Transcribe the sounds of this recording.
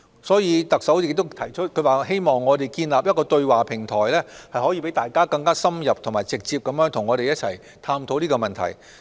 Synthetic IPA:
sɔː˨˥jiː˨˧t̪ɐ˨k̚sɐ˨˥wjɪ˨˩k̚t̪ʊ˥t̪ʰɐ˨˩jt͡ʃʰɵ˥t̚kʰɵ˨˧ɥwaː˨ɦe˥jmɔː˨ŋːɔː˨˧t̪e˨˩jkiː˧nlaː˨p̚jɐ˥t̚kɔː˧t̪ɵ˧ɥwaː˨˩pʰɪ˨˩ŋt̪ʰɔː˨˩jlɛː˥hɐ˨jhɔː˨˥jiː˧pe˨˥jt̪aː˨jkaː˥kɐ˧ŋkaː˥sɐ˥mjɐ˨p̚t̪ʰʊ˨˩ŋmaː˨˩jt͡sɪ˨k̚t͡siː˧p̚kɐ˨˦mjœː˥ŋt̪ʰʊ˨˩ŋːɔː˨˧ɾe˨jɐ˥t̚t͡sʰɐ˨˩j | t̪ʰaː˧mt̪ʰo˨˥wniː˥kɔː˧mɐ˨nt̪ʰɐ̰˨˩j

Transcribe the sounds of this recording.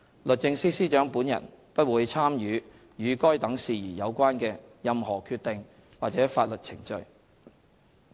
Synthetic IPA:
lɵ˨t̚t͡sːɪ˧ŋsiː˥siː˥t͡ʃœː˨˥ŋpuː˨˥njɐ̰˨˩n | pɐ˥t̚wuː˨˧jt͡sʰaː˥mjyː˨˥ | jyː˨˧kɔː˥jt̪ɐ˨˥ŋsiː˨˧jiː˨˩jɐ˨˧wkʷaː˥nkɛː˧jɐ˧mhɔː˨˩kʰyː˧t̪ɪ˨ŋ | waː˨k̚t͡sɛː˨˥faː˧t̚lɵ˨t̚t͡sʰɪ˨˩ŋt͡ʃɵ̰˧ɥ

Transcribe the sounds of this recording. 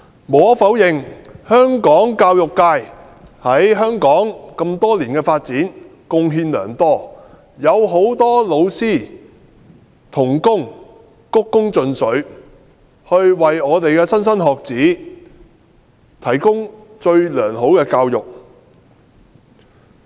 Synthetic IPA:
moː˨˥fɐ˨˥wjɪ˨˧ŋhœː˥ŋkɔː˨˥ŋkaː˧wjʊ˨kːaː˧j | hɐ˨˥jɦœː˥ŋkɔː˨˥ŋkɐ˧mt̪ɔː˥liː˨˩nkɛː˧faː˧t̚t͡siː˨˥nkʊ˧ŋɦiː˧nlœ̰ː˨˩ŋt̪ɔː˥ | jɐ˨˧wɦo˨˥wt̪ɔː˥lo˨˧wsiː˥˩ | t̪ʰʊ˨˩ŋkʊ˥ŋ | kʊ˥kːʊ˥ŋt͡sɵ˧nsɵ˨˥ɥ | hɵ˧ɥwɐ˨jɔː˨˧t̪e˨jkɛː˧sɐ˥nsɐ˥nɦɔː˨k̚t͡siː˨˥ | t̪ʰɐ˨˩jkʊ˥ŋ | t͡ʃɵ˧ɥlœː˨˩ŋɦo˨˥wkɛː˧kaː˧wjʊ˨˩k̚

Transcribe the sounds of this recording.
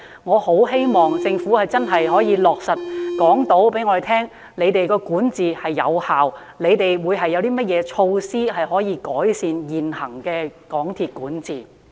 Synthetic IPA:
ŋɔː˨˧ho˨˥wɦe˥jmɔː˨ŋt͡sɪ˧ŋfuː˨˥hɐ˨jt͡sɐ˥nɦɐ˨jɦɔː˨˥jiː˨˧lɔː˨k̚sɐ˨t̚kɔː˨˥ŋt̪o˨˥wpe˨˥jŋɔː˨˧e˨˩jt̪ʰɛː˥ŋ | ne˨˧jt̪e˨jkɔː˧kuː˨˥nt͡siː˨hɐ˨jːɐ̰˨˧whaː˨w | le˨˧jt̪e˨jwuː˨˧jɦɐ˨jːɐ˨˧wt̪iː˥mɐ˥t̚jɛː˨˧t͡ʃʰo˧wsiː˥ɦɐ˨jɦɔː˨˥jiː˨˧kɔː˨˥jsiː˨˧njiː˨nhɐ̰˨˩ŋkɛː˧kɔː˨˥ŋt̪ʰiː˨t̚kuː˨˥nt͡siː˨˩

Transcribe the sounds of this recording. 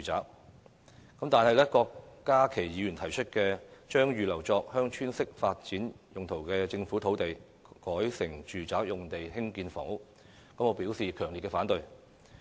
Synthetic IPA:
t͡ʃy˨˩t͡sa̰ː˨˥k̚ | kɐ˨˥mt̪aː˨nhɐ˨jlɛ˥kɔː˧kːaː˥kʰe˨˩jjiː˨˧jyː˨˩nt̪ʰɐ˨˩jt͡ʃʰɵ˥t̚kɛː˧t͡ʃœː˥ŋjyː˨lɐ˨˩wt͡sɔː˧k̚hœː˥ŋt͡ʃʰyː˥nsɪ˥k̚faː˧t̚t͡siː˨˥n | jʊ˨ŋt̪ʰo˨˩wkɛː˧t͡sɪ˧ŋfuː˨˥t̪ʰo˨˥wt̪e˨j | kɔː˨˥jsɪ˨˩ŋt͡ʃyː˨t͡saː˨˥k̚jʊ˨ŋt̪e˨jhɪ˥ŋkiː˧nfo̰˨˥ŋ | kɐ˨˥mɔː˨˧˥pi˨˥wsiː˨˩kʰœː˨˩ŋli˨t̚kɛː˧faː˨˥nt̪ɵ˨ɥ

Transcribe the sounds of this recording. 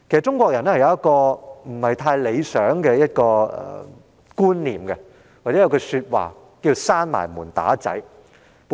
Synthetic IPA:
kʰe˨˩sɐ˨t̚t͡ʃʊ˥ŋkʷɔː˧k̚jɐ˨˩nɛː˥hɐ˨jɐ˧wjɐ˥t̚kɔː˧m̩˨˩hɐ˨jt̪ʰaː˧jle˨˧jsœː˨˥ŋkɛː˧jɐ˥t̚kɔː˧ɛ̰˨˩ | kuː˥nliː˨˩mkɛ˧ | waː˨˩t͡sɛː˨˥jɐ˧kʰə˧syː˧t̚wa̰ː˨˩ | kiː˧saː˥nma̰ː˨˩jmuː˨˩nt̪a̰ː˨˥t͡sɐ̰˨˥j

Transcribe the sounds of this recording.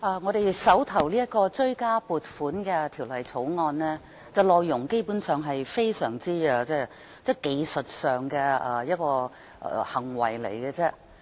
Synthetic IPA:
ʔɐː˨˧ŋɔː˨˧ɾe˨˧jsɐ˨˥wt̪ʰɐ˨˩wliː˥jɐ˥t̚kɔː˧t͡sɵ˥ɥkaː˥puː˨˧t̚fuː˨˥nkɛː˧t̪ʰiː˨˩wlɐ˨˩jt͡sʰo˨˥wŋɔː˧nlɛː˥ | t͡sɐ˨wlɔː˨˧jːʊ˨˩ŋke˥jpuː˨˥nsœː˨ŋɦɐ˨jfe˥jsœː˨˩ŋt͡siː˥ɡɐ˧t͡sɛː˥ | t͡sɛː˥ke˨jsɵ˨t̚sœː˨ŋkɛː˧ɐ˨˧jɐ˥t̚kɔː˧ | ʔhɐ˨˩ŋwɐ̰˨˩jlḛ˨˩jkɛː˧t͡sɛ˥

